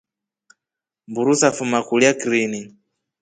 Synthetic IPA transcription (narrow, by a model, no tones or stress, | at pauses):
mbuɾusafumakuliakɾiːni